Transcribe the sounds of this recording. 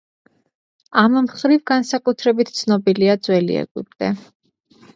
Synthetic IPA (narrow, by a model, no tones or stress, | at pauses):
ammχɾivɡansakʼut̪ʰɾɛbit̪ʰt̪sʰnɔbiliad̪zwɛlḭɛ̰ɡḭb̚d̪ɛ